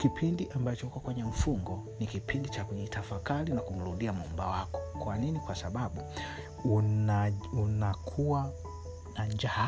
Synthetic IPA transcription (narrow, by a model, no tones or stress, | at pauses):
kipʰindiʔambat͡ʃɔhukɔkwɛɲɛm̩fuŋɡɔnikipʰindit͡ʃakuɲitʰafakalinakum̩ɾuɗiamumbawakɔ̥kwaninikwasaɓaɓu | aunakʰuwa | naɲd͡ʒa